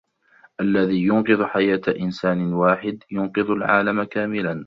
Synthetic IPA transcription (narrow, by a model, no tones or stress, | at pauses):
ʔalːaðiːjʊnqɨðˤħajaːt̪aʔɪnsaːnɪwaːħɪd̪jʊnqɨðˤʊlʕa̰ːlamakaːmɪlan